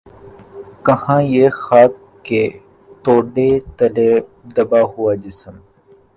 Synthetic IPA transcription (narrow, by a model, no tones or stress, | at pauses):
kɐhãːjeːxaːkː | e | t̪oːɖet̪ɐle | d̪ɐbaːɦuwaːd͡ʒɪsəm